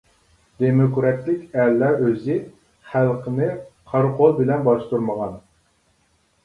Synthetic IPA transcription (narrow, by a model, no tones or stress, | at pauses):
d̪emɪkuɾɛt̪lɪkʲɛlːɛʔøzɪ | χælˠqʰənɨqʰɑɾqʰolˠbɪlɛnbɑʃt̪uɾməʁɑn